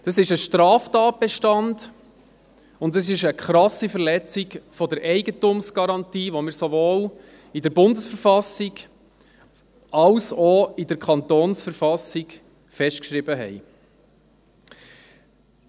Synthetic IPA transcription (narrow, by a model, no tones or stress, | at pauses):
d̥ɑsɪʃəʃtɾɑːftɑːt̚b̥ɛʃtɑnd | ʊntəsɪʃəkχɾɑsifəɾlɛt͡sɪɡfɔdəɾʔɛɪɡətʊmsɡ̥ɑɾɑntiːʋomɪːɾsoʋoːl | idəɾbʊndəsfəɾfɑsɪɡ | ɑlsɔɪd̥əɾkʰχɑntoːnsfəɾfɑsɪɡ | fɛʃtkʃɾɪbəɦɛ̰ɪ